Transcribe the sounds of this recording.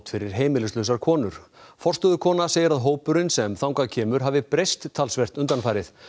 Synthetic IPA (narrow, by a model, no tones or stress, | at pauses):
t̪fɪɾɪɾ̥ɦeːjmɪlɪst̪lœɥsaɾkʰɔːnʏɾ̥fɔrst̪œðʏkʰɔːnaseːjɪɾaðɦoːwpʏɾɪnsɛmθawŋkacʰɛːmʏɾ̥ɦaːvɪpɾejst̪ʰːalsvɛr̥t̪ʏnt̪anfajɾɪθ